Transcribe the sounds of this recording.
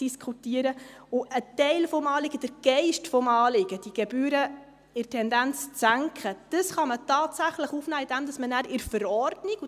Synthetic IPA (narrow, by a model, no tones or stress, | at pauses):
iskχutiəɾə | ʊʔətɛɪlfɔmɑːlɪɡəd̥əɾɡ̥ɛɪʃtfɔmɑːlɪɡ̥əd̥iɡ̥ɛbyːɾə | ɪrtʰɛndænt͡st͡sæŋkχəd̥əsχɑmətɑːtsæχləχuːfnæːɪdɛmdɑsmənæːɾɪɾfəɾɔrdniɡ̥